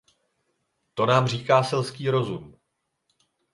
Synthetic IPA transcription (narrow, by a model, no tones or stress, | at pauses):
t̪o̞naːmr̝iːkaːsɛlskiːɾo̞zum